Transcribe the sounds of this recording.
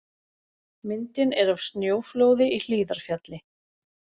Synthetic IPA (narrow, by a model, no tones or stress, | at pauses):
mɪnt̪ɪnɛɾavst̪njoːwfloːwðɪʔil̥iːðaɾ̥fjat̪lɪ